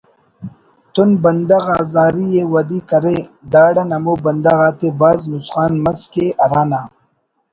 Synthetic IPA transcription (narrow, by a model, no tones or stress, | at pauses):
t̪unbɐnd̪ɐɣaːzaːɾijewɐd̪iːkɐɾed̪aːɽɐnɐmoːbɐnd̪ɐɣaːt̪ebaːznusχaːnmɐskeʔɐɾaːnaː